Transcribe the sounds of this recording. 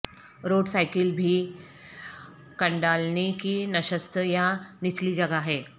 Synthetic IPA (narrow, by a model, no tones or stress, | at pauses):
ɾoːɽsajkəlbʱiː | kəɳɖalnekinəʃəst̪ʰəjanit͡ɕlid͡ʑɐɡaɦɛ